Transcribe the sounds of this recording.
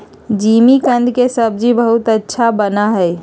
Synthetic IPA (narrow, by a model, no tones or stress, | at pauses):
d͡ʒimikə̃nd̪ʱkesəb̚d͡ʒibəɦut̪ətːʃʰabənaɦɛɪ